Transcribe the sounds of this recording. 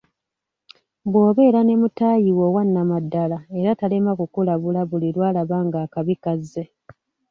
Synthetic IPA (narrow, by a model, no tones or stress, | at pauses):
bwo̞ːβe̞ːɾane̞mutajiwo̞ːwanːamadːalae̞ɾatale̞makukulaβulaβulilwaːlaβaːŋɡaːkaβikazːe̞